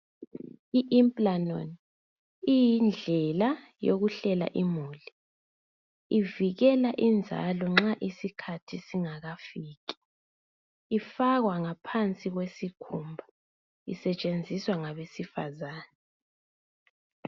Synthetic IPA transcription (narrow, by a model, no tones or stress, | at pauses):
iʔimpʼlanɔ̰n | ijind͡ɮʱɛla | joɣuɬɛla̰ʔimuːli | iviɣɛlaʔind͡zʱa̰lɔŋ͡ǁaʔisikʰatʰisiŋaɣafiːk̬i̥ | ifaɣwaŋapʰant͡sʼiɣwesikʰumbʱa | ḭsɛt͡ʃʼend͡zʱiswaŋaβesifa̰zaːna